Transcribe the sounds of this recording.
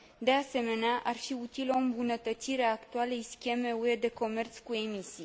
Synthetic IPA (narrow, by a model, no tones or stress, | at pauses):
d̪e̞ase̞me̞neaʔarfiut̪ilo̞ɨmbunət̪ət̪siɾeaːkt̪uale̞jskʲe̞me̞ue̞d̪e̞ko̞me̞rt̪skue̞misi